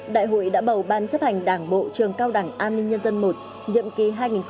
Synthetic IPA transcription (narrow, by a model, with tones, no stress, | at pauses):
ɗa̰ː˧˨jɦo̰˧˨jɗa̰ː˧˥ɓə˨˩wɓaː˨˧˩nsə˦˥p̚ha˨˩ŋ̟ɗaː˧˩ŋɓo̰˧˨t͡ɕɨ˨˩əŋkaː˧wɗaː˧˩ŋʔaː˧nːï˧ŋ̟ɲə˧nzə˧nmo˨˩t̚ | ɲḭ˧˨əmki˨˩ɦaː˧jŋi˨˩nx